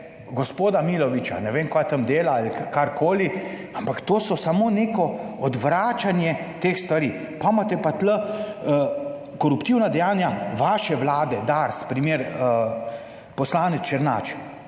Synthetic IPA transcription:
ɡɔspoːd̪amiːlɔʋit͡ʃa̰nɛʋeːmkajt̪ɐmd̪eːlaːlikkaɾkʰoːliampakt̪oːsɔsamoːneːkɔɔd̪ʋɾaːt͡ʃanjɛ | t̪eːxst̪ʋaɾiː | pamat̪ɛpat̪lə | kɔɾupt̪iwnad̪ɛjaːnjaʋaːʃɛʋlaːd̪ɛd̪aɾspɾimeːɾ | pɔslaːnɛt͡ʃɛɾna̰ːt͡ʃ

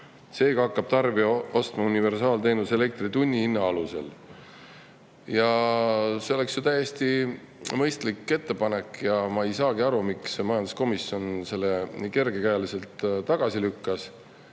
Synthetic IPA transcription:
se̞ːɡ̥ɑɑkːɑb̥̚t̪ɑrviɑo̞st̪mɑunive̞rsɑːlt̪e̞ːnuse̞le̞k̚t̪rit̪unʲːiinːɑɑluse̞̰l | jɑ | se̞o̞le̞ksjot̪æje̞st̪i | mɤ̞jst̪likːˑe̞t̪ːe̞pɑne̞kːjɑmɑe̞jsɑːɡ̥iɑɾumiksmɑjɑnd̪usko̞misjo̞nse̞lːeke̞rɡe̞kæjɑlise̞lt̪t̪ɑɡ̥ɑsilykːɑs

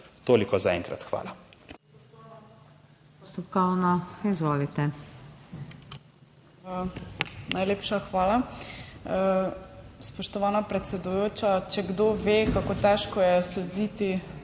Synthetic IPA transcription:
t̪oːlikɔzaɛ̰ŋkɾa̰t̪xʋa̰ːla | pɔst̪ɔpkɔwnɔizʋoːlit̪ɛ | nʔajleːpʃaxʋaːla | ə | spɔʃt̪ɔʋanapɾɛt̪sɛd̪ujoːt͡ʃat͡ʃɛɡd̪oʋekakot̪ɛʃkɔjɛslɛd̪it̪i

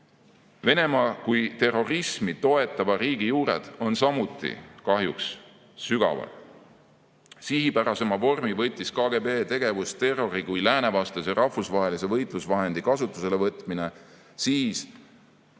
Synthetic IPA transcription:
ve̞ne̞mɑːkujt̪e̞ro̞rismit̪o̞e̞t̪ːˑɑvɑɾiːɡijuːɾe̞̰d̪̥o̞nsɑmut̪ːˑḭkɑɦjuksː | yɡ̥ɑ̰vɑ̰l | siɦipæɾɑse̞mɑvo̞rmivɤ̞jt̪ʲːˑiskɑːɡe̞be̞ːt̪e̞ɡ̥e̞vust̪e̞ro̞ɾikujlæːne̞vɑst̪eserʔɑhfusvɑɦe̞lise̞vɤjt̪ˑlusvɑɦe̞nd̪̥ikɑsut̪ːˑu̥se̞le̞vɤt̪ˑmine̞ | siːs

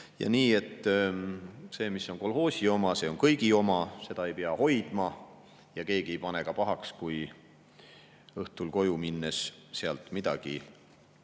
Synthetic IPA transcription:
jɑ̰niːe̞t̪ː | se̞ːmisːo̞ŋko̞lho̞ːsʲio̞mɑse̞ːo̞nkɤjɡio̞mɑse̞d̪ɑe̞jpeɑho̞jd̪̥mɑ | jɑke̞ːɡ̥iejpɑne̞kɑpɑɦɑkskuj | ɤht̪ulko̞juminːesseɑlt̪ˑmid̪̥ɑɡ̥i

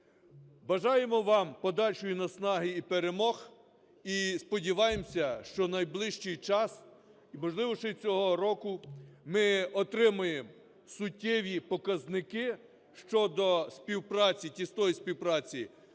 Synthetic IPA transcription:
bɐʒɑjemɔʋɑmpɔd̪ɑlʲʃʊjʊnɐsnɑɦɪipeɾemɔx | ispɔdʲiʋɑjemsʲɐʃt͡ʃɔnɐjblˠɪʃt͡ʃɪjt͡ʃɑs | imɔʒlˠɪʋɔʃɪt͡sʲɔɦɔɾɔkʊmɪɔt̪ɾɪmʊjem | sʊtʲːɛʋʲipɔkɐznɪkɪ | ʃt͡ʃɔd̪ɔspʲiwpɾɑt͡sʲitʲist̪ɔjisʲpʲiwpɾɑt͡sʲi

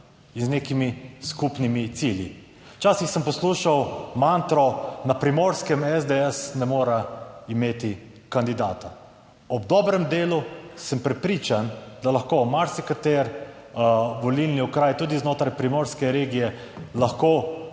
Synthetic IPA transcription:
inzneːkimiskupnimit̪siljḭ | t͡ʃaːsixsəmpɔsluːʃawmant̪ɾɔnapɾimoːɾskɛmɛzd̪eɛsnɛmoːɾaimeːt̪i | kand̪id̪a̰ːt̪a | ɔb̚d̪ɔːbɾɛmd̪eːlusəmpɾɛpɾiːt͡ʃand̪alɐxkoːmaɾsikat̪eɾ | ʋɔlilniɔkɾaːjt̪uːd̪iznoːt̪ɾajpɾimoːɾskɛɾeːɡijɛ | laxkoː

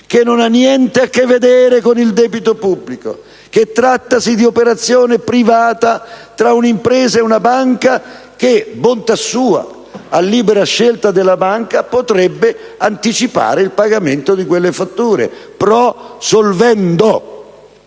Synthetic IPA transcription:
kenːonanːjɛnt̪eakːevːed̪ɛːɾekonild̪ɛːbit̪opubːliko̰ | ket̪ːɾat̪ːasid̪iopeɾat̪sːjoːnepɾivaːt̪at̪ɾaunimpɾɛːzaeunabaŋka | kebont̪asuːa̰ | alːiːbeɾaʃːelt̪ad̪elːabaŋkapot̪ɾɛbːeant̪it͡ʃipa̰ːɾeilpaɡament̪od̪ikwelːefat̪ːuːɾḛpɾɔsolvɛnd̪o

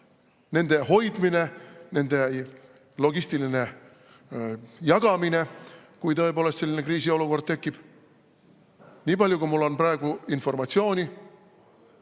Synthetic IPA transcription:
ne̞nd̪e̞ho̞jd̪mine̞ne̞nd̪̥e̞ | lo̞ɡ̥ist̪iline̞ | jɑɡ̥ɑmine̞kujt̪ɤepo̞ːlest̪selːinekriːsio̞luko̞rd̪̚t̪e̞kːib̥ | niːpɑlʲjukumulːo̞nprɑeɡ̥uinfo̞rmɑt̪sio̞ːnʲi

